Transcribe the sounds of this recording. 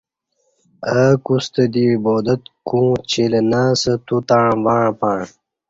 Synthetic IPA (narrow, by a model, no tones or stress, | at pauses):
əkust̪əd̪iɻboːd̪ɐt̪kũːt͡ɕʰelenaːsɐt̪ut̪aɻvaːɻpaːɳ